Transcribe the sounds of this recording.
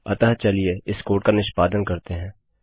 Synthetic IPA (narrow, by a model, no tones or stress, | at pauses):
ɐ̰t̪əɦt͡ʃɐlieɪskoːɾʈ̚kanɪʃpaːd̪ənkɐɾt̪eɦɛ̃ː